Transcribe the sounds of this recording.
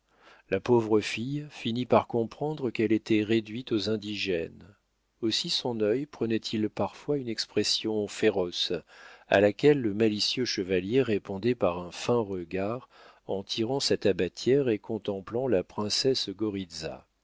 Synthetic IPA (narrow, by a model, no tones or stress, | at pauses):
lapovʁəfijfinipaʁkɔ̃pχɑ̃d̪ʁəkɛlet̪ɛʁed̪ɥit̪ozɛ̃d̪iʒɛn | osisɔ̃nœjpχənɛt̪ʰilpaʁfwaynɛkspχesjɔ̃feʁɔs | a̰lakʲɛlːəmalisjøʃəvaljeʁepɔ̃d̪ɛpaʁɛ̃fɛ̃ʁəɡaʁ | ɑ̃t̪ʰiʁɑ̃sɛt̪abat̪ʰjɛʁekɔ̃t̪ɑ̃plɑ̃lapχɛ̃sɛsɡɔʁid̪za̰